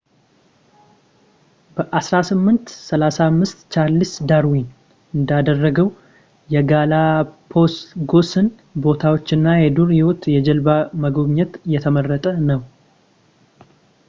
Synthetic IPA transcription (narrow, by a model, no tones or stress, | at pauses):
b̥əʔasɾasɨmːɨnt̪səlasamːɨst̪t͡ʃʰalːɨsd̪aɾwin | ɨnd̪ad̪ərːəɡəw | jɛɡalapʰo̞st̪ɡo̞sɨn | bo̞t̪ʰawo̞t͡ʃːɪnːajɛd̪uɾjɪwot̪jɛd͡ʒɛlbaməɡoβɲɛt̪jɛt̪ʰəmərːət̪ʼənəw